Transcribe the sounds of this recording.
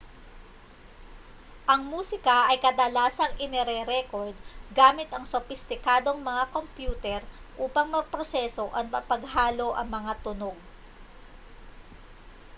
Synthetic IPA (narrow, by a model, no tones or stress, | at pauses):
ʔɐŋmuːsɪkɐʔɐjkɐd̪ɐlaːsɐŋʔɪnɛɾɛɾɛkoɹd̪̚ɡaːmɪt̪ɐŋsofɪst̪ɪkaːd̪o̞ŋmɐŋakompjuːt̪ɛɾʔuːpɐŋmɐɡ̚pɾosɛso̞ʔɐt̪̚mɐpɐɡɦaːlo̞ʔɐ̰ŋmɐŋat̪ʊno̞ɡ̚